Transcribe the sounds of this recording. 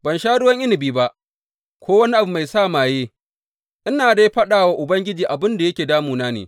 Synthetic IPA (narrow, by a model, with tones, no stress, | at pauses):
bɐ˨nʃaː˦ɽʊ˦wɐ˦ŋʔɪ˦nɪ˨biː˦ba˦ʔ | kʷoː˦wɐ˦ni˦ʔa˨bu˨˦ma˨jsaː˦˨maː˨jeː˦ | ʔɪ˦naː˨da˦jɸɐ˦ɗaː˨waː˦ʔʊ˨bɐ˦ŋɡʲɪ˦d͡ʒiː˨ʔa˨bɪ˦nda˨jɐ˦kʲeː˨daː˦muː˨naː˦nḛː˨